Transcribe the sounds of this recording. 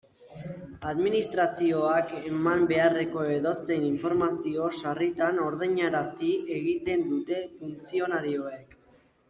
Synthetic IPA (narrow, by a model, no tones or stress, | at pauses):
aðminist̪ɾasio̞ake̞mambe̞are̞ko̞e̞ðo̞se̞jniɱfo̞ɾmasio̞sarit̪ano̞ɾðeɲaɾasie̞ɣit̪e̞nd̪ut̪e̞funt͡sio̞naɾio̞e̞k